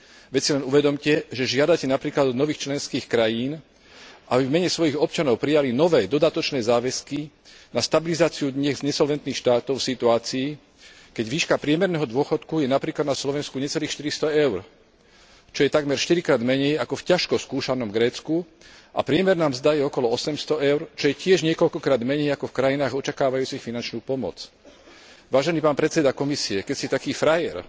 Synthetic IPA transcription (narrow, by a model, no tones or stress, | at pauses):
ʋɛt͡silɛnuʋɛd̪ɔmcɛʒɛʒɪad̪acɛnapɾiːklad̪ɔnɔʋiːxt͡ʃlɛnskiːxkɾajiːn | ʔabivmɛɲɛsʋɔjiɣɔp̚t͡ʃanɔʊpɾijalinɔʋɛːd̪ɔd̪at̪ɔt͡ʃnɛːzaːʋɛski | nast̪abilizaːt͡siud̪ɲɛɣzɲɛsɔlʋɛnt̪niːxʃt̪aːt̪ɔʊfsit̪uaːt͡siː | kɛɟʋiːʃkapɾɪɛmɛɾnɛːɦɔd̪ʊɔxɔt̪kujɛnapɾiːklad̪naslɔʋɛnskuɲɛt͡sɛliːxʃt̪iɾist̪ɔɛʊɾ | t͡ʃɔjɛt̪aɡmɛɾʃt̪iɾikɾaːd̪mɛɲɛjakɔfcaʃkɔskuːʃanɔmɡɾɛːt͡sku | ʔa̰pɾɪɛmɛɾnaːmzd̪ajɛɔkɔlɔɔsɛmst̪ɔɛʊɾt͡ʃɔjɛcɪɛʒɲɪɛkɔʎkɔkɾaːd̪mɛɲɛjakɔfkɾajinaːɣɔt͡ʃakaːʋajuːt͡sixfinant͡ʃnuːpɔmɔ̰t͡s | ʋaːʒɛniːpaːnpɾɛt̪t͡sɛd̪akɔmisiɛkɛcsit̪akiːfɾajɛ̰ɾ